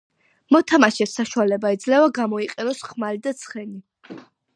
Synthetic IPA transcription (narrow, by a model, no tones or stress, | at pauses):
mɔt̪ʰamaʃɛsaʃualɛbaid̪zlɛvaɡamɔiqʼɛnɔsχmalid̪at̪sʰχɛni